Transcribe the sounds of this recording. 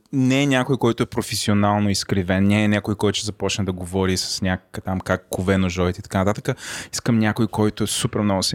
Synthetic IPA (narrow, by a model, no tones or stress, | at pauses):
nɛnʲakojkɔjt̪ʊɛpɾofɛsionalˠnoiskɾivɛnnʲɛːnʲakʊjkɔjt̪ʊ̥t͡ʃɛzɐpɔt͡ʃnɐd̪ɐɡovɔɾisɐ̥snʲakkət̪amkakːʊvɛnoʒɔit̪ɛit̪ɐkanɐt̪at̪əkəiskəmnʲakʊjkɔjt̪ʊɛsupɛɾmnɔɡʊsɛ